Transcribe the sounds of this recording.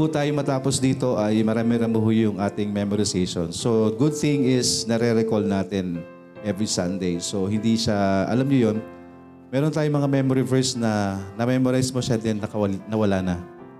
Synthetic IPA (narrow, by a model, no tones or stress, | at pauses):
put̪aːjomɐt̪aːposd̪iːt̪o̞ʔɐjmɐɾaːmɪɾɐmʊɦʊjʊŋʔaːt̪ɪŋmɛmoɾɪsejʃo̰nso̞ɡʊd̪̚θɪ̃ŋɪsnɐɾɛɾɛkolnaːt̪ɪn | ʔɛvɾisɐnd̪ejso̞ɦɪnd̪iʃaʔɐ̰lamɲojon | mɛːɾont̪aːjoŋmɐŋamɛmoɾɪvɛɹsnɐnɐmɛmoɾajsmoʃad̪ɛnːɐkɐwɐnɐwɐlaːnɐ